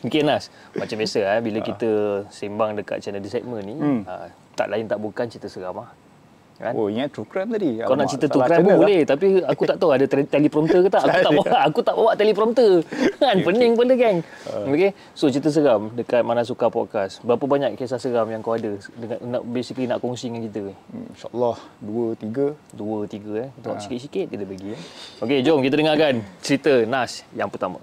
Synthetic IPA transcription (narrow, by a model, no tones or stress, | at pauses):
mikenas | mat͡ʃambiasəabiləkit̪əsimbaŋdəka̰t̪̚t͡ʃanədisat̪̚mənːiə̰ | t̪a̰ʔlaɪnt̪aʔbukant͡ʃit̪əsəɾamah | ka̰noiŋat̪ɾukɾɛmt̪adikalnaʔt͡ʃit̪ət̪ɾukɾamubolɛht̪apiakut̪aʔt̪awadət̪ɛlipɾɔmt̪əkət̪aʔakut̪aʔbawʔːkut̪aʔbawaʔt̪ɛlipɾɔmt̪əanpənɪŋpələɡɛŋ | oke | sot͡ʃɾit̪̬əs̬əɾamdəkat̪̚manas̬ukapɔt̪̚kasbəɾapəbaɲakkːes̬asəɾamjaŋkawadədəna̰ʔbesikəlinaʔkɔŋsidəŋankit̪əʃa̰ʔlːɔhduət̪iɡəduət̪iɡət̪uaʔsi̥kiɪt̪̚sikɪt̪̚didəbəɡioked͡ʒɔmkit̪ədəŋakant͡ʃəɾit̪ənasjaŋpərt̪ama̰